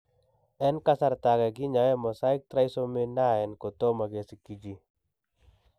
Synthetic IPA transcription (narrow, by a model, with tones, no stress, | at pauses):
ɛ˦nka˦sa˦ɾt̪akɛ˨ɡi˦ɲa˨wɛ˦mɔ˨sa˦ɪ˦k̚t̪ɾa˦isɔ˦me˦na˦ɛ˨nkɔ˨t̪ɔ˦ma˨ɡe˨siki˨d͡ʒi